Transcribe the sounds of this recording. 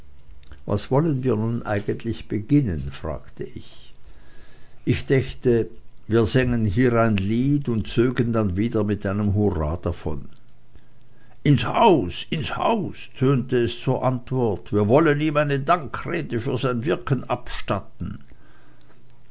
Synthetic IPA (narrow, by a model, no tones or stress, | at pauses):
va̰sv̥ɔlənviːɐnuːnʔa̰ɪɡəntʰlɪçb̥əɡɪnənfʁ̥a̰ːktʰəʔɪ̰ç | ʔɪçd̥ɛçtəviːɐzɛŋənɦiːʁaɪnliːtʊntt͡søːɡəndanviːdɐmɪtʔaɪnəmɦuʁaːdafɔ̰n | ʔɪnshaʊsɪnsha̰ʊstʰøːntəɛst͡suːɐʔantv̥ɔɐtv̥iːɐvɔləniːmaɪnədaŋkʁ̥eːdəfyːɐzaɪnvɪɐkən̩ʔapʃtatn̩